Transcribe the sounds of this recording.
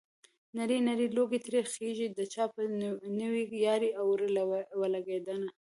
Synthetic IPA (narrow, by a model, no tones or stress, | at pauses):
naɾinaɾiloɡet̪ɾexeʒid̪ət͡ʃɑpənəwijɑɾiawɾəlawəlaɡed̪əna